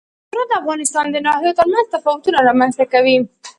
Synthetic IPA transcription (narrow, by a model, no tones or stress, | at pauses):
ɾɑd̪əafɣɑnɪst̪ɑnd̪ənɑhjot̪əɾmanzt̪afɑwʊt̪unaɾɑmanzt̪akawi